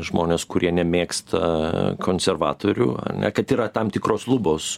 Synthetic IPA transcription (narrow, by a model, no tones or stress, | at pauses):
ʒmoːnʲeːskʊɾʲiɛnʲɛmʲeːkst̪ʰɐkʰoːnʲsʲɛrʋɑ̰ːt̪oːɾʲṵːɐ̰rnʲɛ̰kɐt̪iːɾɐt̪ɐmt̪ʲɪkɾoːslˠʊboːs